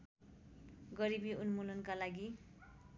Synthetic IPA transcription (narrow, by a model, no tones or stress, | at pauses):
ɡʌɾibiunmulʌnkalaɡi